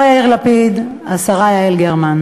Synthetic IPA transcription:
jaiʁlapid̪ | asaʁajaelɡeʁman

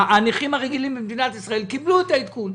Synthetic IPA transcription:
aniχimaʁeɡilimbemd̪inat̪isʁae̞lkibluet̪ait̪kun

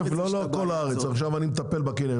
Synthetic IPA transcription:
vloloko̞laaʁet͡saχʃavanimet̪apelbakine

